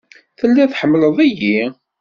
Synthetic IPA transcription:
θəlːæθħəmːləðˤæji

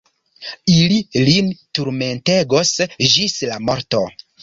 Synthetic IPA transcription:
ililintuɾme̞nte̞ɡosd͡ʒislamo̞ɾto

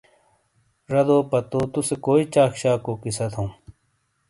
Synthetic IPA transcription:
ɾɐd̪oːpɐt̪oːt̪usekoːit͡ɕaːkɕaːkoːkisɐt̪ʰõũ

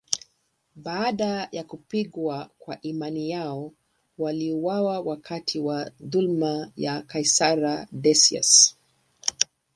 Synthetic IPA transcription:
ɓaːɗajakupiɠwakwaʔimanijaɔ | waliuwawawakʰatʰiwaðulmajakaisaɾaɗɛsia̰s

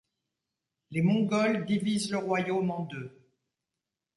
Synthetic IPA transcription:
lemɔ̃ɡɔld̪ivizləʁwajomɑ̃d̪ø

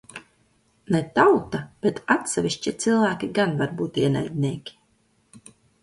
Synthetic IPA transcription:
net̪awt̪ab̥et̪at̪sʲɛvʲiʃt͡ʃʲit̪silˠvæːkʲiɡanvaɾbuːt̪iɛna̰jd̪ʲniɛːkʲi̥

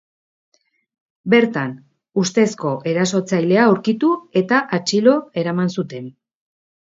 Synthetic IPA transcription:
be̞ɾt̪an | ust̪e̞sko̞ʔe̞ɾaso̞t͡sajle̞aowɾkit̪ue̞t̪aʔat͡ʃilo̞e̞ɾamansut̪e̞n

